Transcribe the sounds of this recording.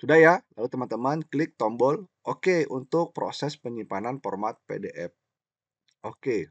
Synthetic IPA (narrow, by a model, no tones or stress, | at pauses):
sudahjalalut̪əmant̪əmanklɪk̚t̪ɔmbɔlʔokeunt̪ʊk̚pɾo̰sɛspəɲimpananfɔ̰rmat̪̚pḛdeʔɛp̚ | ʔoke